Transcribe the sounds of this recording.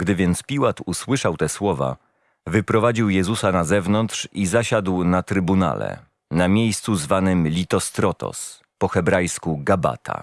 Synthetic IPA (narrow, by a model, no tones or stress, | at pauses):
ɡd̪ɘvʲjɛnt̪spʲiwat̪uswɘʂawt̪ɛswɔva̰ | vɘpɾɔvad͡ʑiwjɛzusanazɛvnɔnt̪ʂizaɕad̪wnat̪ɾɘbuna̰lɛ̰ | namʲjejst̪suzvanɘmlʲit̪ɔst̪ɾɔt̪ɔ̰s | pɔxɛbɾajskuɡaba̰t̪ʰa̰